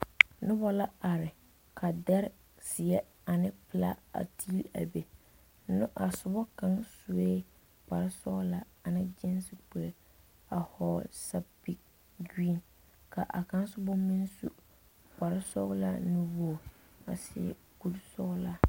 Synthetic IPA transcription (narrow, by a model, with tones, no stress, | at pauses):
nʊ˦bɔ˦la˦a˨ɾɪ˨ | kʰa˨dɛ˦ɾ | sɪ˨ɛ˦ | a˨nɪ˦pɪ˦la̰˦a̰˨tʰi˦la̰˨be˨˦ | nʊ˦ʔa˨sʊ˨bɔ˦ka˦ŋsu˨eː˦ | k͡pa˨ɾɪ˦sɔ˦ɣla˦ | a˨nɪ˦d͡ʒɛ˦n˦sɪ˦k͡pɛ˨ɾ | a˨hɔ˨sa˦pi˨k̚ | ɡi˦˨n | ka˨ʔa̰˨ka˦n˦sʊ˦bʊ˦mi˦nsṵ˦ | k͡pa˨ɾɪ˦sɔ̰˦ɣla̰˦nɪ˦wɔ˦˨ | a˨sɪ˨ɛ̰˨ | ɡu˦lsɔ˦ɣla˦